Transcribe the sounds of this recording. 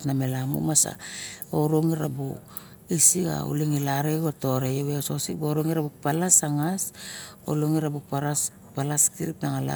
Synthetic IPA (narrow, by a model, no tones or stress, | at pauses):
tnamelamṵmasa̰oɾoŋiɾabu | isiɡa̰o̰liŋilaɾeɡuato̞ɾejoweososikboɾoŋiɾabuk̚palasaŋaso̰loŋiɾabukpaɾas | palaskiɾipnaŋala̰